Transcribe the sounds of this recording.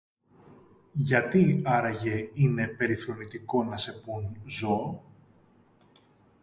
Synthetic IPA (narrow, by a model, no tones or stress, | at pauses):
ʝɐt̪iɐɾɐʝe̞ine̞pe̞ɾiθɾo̞nit̪iko̞nɐse̞punzo̞